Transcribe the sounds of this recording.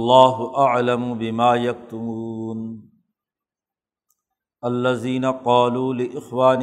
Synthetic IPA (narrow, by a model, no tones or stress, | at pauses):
lˤːaːɦʊʔaʕlɐmʊbɪmaːjɐk̚t̪ʊmuuːn | ɐlːɐziːnɐqɑːluːlɪʔɪxwaːn